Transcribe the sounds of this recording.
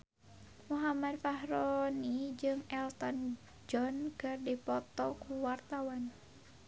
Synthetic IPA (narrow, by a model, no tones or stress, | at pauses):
muɦamad̚faɦɾɔnid͡ʒɨŋɛlt̪ɔn | d͡ʒɔnkɨrdipɔt̪ɔkuwart̪awan